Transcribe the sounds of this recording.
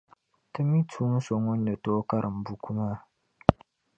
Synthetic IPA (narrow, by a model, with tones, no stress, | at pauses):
tɨ˦mi˦tʰuː˦n̩˦so˨ŋʊ˦n̩ː˦ɨ˨toː˦ka˦ɾʔɨ˨m̩˨bu˨ku˦maː˦